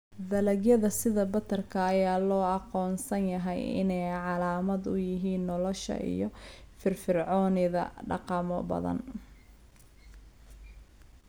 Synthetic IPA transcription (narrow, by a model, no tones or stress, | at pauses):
d̪ɐlɐɡjɐðɐsɪðɐbɐt̪ʰːɐrkʰɐːjaːlɔːɑqɔːnsɐnjɐɦɛjɪ̰nɛjʕɑlaːmɐd̪ʊjɪɦiːnːɔlɔʃɐ̰ʔḭjɔfɪrfɪrʕɔːnɪðɐ̰ɖɑ̰qɑmɔbɐ̰ðɐ̰n